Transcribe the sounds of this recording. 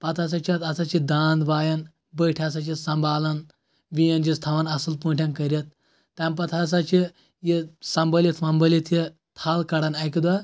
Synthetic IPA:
pɐt̪ʰas̬at͡ʃʰat̪ɐsat͡ʃid̪aːnd̪ʋaːjɐn | bəjʈʰʲasat͡ʃisɐmbʱaːlɐn | ʋijɐnd͡ʒist̪ʰaʋanɐsɨlpũːɳʈʰʲankɐɾʲjɐt̪̚ː | ampɐt̪ʰas̬at͡ʃʰi | jisɐmbɐlʲit̪ʰfɐmbɐlit̪ʰji | t̪ʰaːlkɐɽɐnɐjkʲid̪ʋa

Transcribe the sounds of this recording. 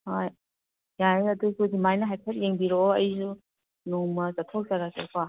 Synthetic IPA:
hoj | jajɐdusudimajnɐɦajpʰet̚jeŋbiɾoɐjzu | nuŋmɐzatʰɔk̚zaɾasekʰa

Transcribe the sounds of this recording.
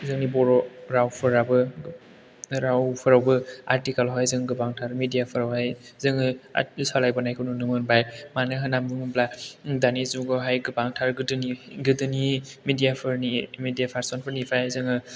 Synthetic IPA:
zɯŋnibɔɾɔɾawpʰɯɾabɯ | ɾawpʰɯɾawbɯaɾtikalɦɔjzɯŋɡɯbaŋtʰaɾmidijapʰɯɾawhajzɯŋɯ̰salajbanajkʰɯnunɯmɯnbajmanɯɦanamumɯbladanizuɡɔɦajɡɯbaŋtʰaɾɡɯdɯniɡɯdɯnimidijapʰɯɾnimidijapʰaɾsɔnpʰɯɾnipʰajazɯŋɯ

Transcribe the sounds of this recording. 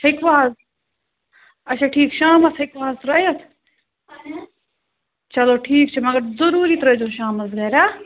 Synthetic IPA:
ɪkʋaːəs | ɐʃʰaʈʰiːkʃaːmɐt̪ɦɪkʋaːɦəzt̪ɾɐjɐt̪ʰ | t͡ʃɐloːʈʰiːk̚t͡ʃʰimɐɡɐɾzɐɾuːɾiːt̪ɐɾɐd͡ʒoːʃaːmɐsɡɐːɾaː

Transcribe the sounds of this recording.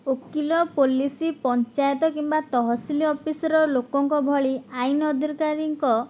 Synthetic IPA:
okilɔpolisipɔnt͡ʃajɔt̪ɔkimbat̪ɔɦɔsiliɔpisɔɾɔlokɔŋkɔbʱɔɭiajnɔd̪ʱiɾkaɾiŋkɔ

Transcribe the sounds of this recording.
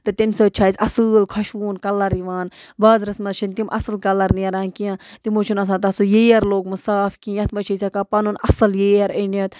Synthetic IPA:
t̪ɨt̪imʲsəːt͡ʃʰaːjzɐsɨːlkʰɐʃuːnkɐlːɐɾiʋaːnbaːzɾɐsmɐʃʰinʲt̪imʔɐ̰sɨlkɐlɐɾnijɐɾaːnkijãːt̪imot͡ʃʰunɐs̬ãːt̪ɐsujeːɐɾloːkmɨsaːfkĩːjɐt̪ʰmɐt͡ʃʰɐjsʲɐkaːpɐnunɐsɨljeːɐɾənɐt̪

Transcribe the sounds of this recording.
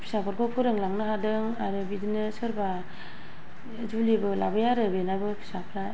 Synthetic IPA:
pʰi̥sapʰɯɾkʰopʰuɾɯŋlaŋnɯɦadɯŋaɾɯbidinɯsɯɾba | d͡ʒulibɯlabajaɾɯbenabɯpʰi̥sapʰɾa

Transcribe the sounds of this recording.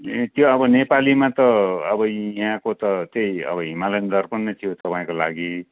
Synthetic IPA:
t̪joʌbʌnepalimãt̪ʌʌbʌjɦãkot̪ʌt̪ejʌ̰bʌɦimalend̪ʱʌrpʌnːʌt̪ʰijot̪ʌpaĩkolaɡi

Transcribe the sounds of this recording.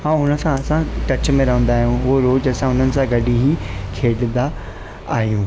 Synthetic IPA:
ɦãːɦʊnə̆sãɐsãʈɐt͡ɕmẽɾɐɦə̃nd̪aːɦijũɦɦoɾoːd͡ʑɐsãʊn̤ənɪ̆sãɡɐɗiɦikʰeːɗnd̪a | aːɦijũː

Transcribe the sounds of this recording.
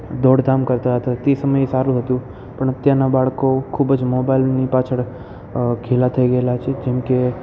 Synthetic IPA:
d̪oɽd̪ʱamkəɾt̪aɦət̪at̪esəməjsaɾũɦət̪ũ | pəɳt̪janabaɭkokʰubd͡ʒmobailnipat͡ʃʰəɽ | kʰelat̪ʰəiɡəelat͡ʃʰed͡ʒɛmke

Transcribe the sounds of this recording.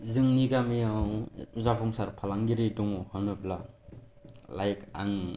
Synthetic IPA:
zɯŋniɡamijawzapʰɔŋsaɾpʰalaŋɡiɾidɔŋɔhɯnɯpla | lajka̰ŋ

